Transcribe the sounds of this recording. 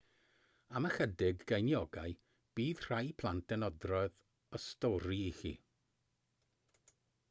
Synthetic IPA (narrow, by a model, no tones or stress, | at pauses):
aməχədɪɡɡejnjɔɡaj | b̥iːð̥r̥ajpʰlˠant̚d̥ɛnɔdrɔɨð | ɔstɔɾiɪxḭ